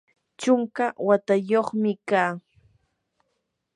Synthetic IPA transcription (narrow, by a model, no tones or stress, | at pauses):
t͡ʃʊŋkawat̪ajoχmɪkaː